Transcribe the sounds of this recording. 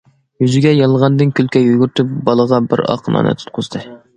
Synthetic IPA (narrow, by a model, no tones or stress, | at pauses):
jyzɪɡʲɛjɑlˠʁɑnd̪ɨnkʲʰylkʲʰɛjyɡʲyɾt̪ʰyp̚bɑlˠəʁɑbɪ̰ɾɑ̰qʰənɑ̰nɨ̰t̪ʰu̥t̪̚qʰʊzd̪ɨ